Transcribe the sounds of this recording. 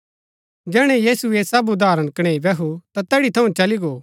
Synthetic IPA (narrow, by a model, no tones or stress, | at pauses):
d͡ʒɛːɽ̃ɛ̃jiːsuesɐbʊd̪aːɾəɽ̃kɐɽ̃eːibɛɦut̪at̪ɛːɽit̪ʰɐũt͡ʃɐliɡoː